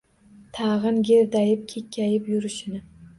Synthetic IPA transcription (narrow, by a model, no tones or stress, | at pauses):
t̪ʰɑʁɨnɡʲeɾd̪ajɪp̚kʲʰekʲʰːajɪpjʊɾɪʃɪnɪ